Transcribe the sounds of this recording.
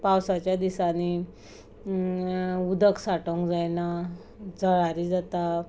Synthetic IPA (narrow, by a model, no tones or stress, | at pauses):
pawsat͡ɕjad̪isani | ud̪ʱəksaʈəŋkd͡zajna | d͡zəɭaɾid͡zat̪a